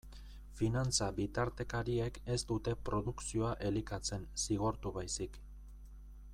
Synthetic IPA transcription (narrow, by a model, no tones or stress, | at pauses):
finant͡saβit̪aɾt̪e̞kaɾie̞ke̞st̪ut̪e̞pɾo̞ðuksio̞aʔe̞likat͡se̞nsiɣ̞o̞ɾt̪uβajsik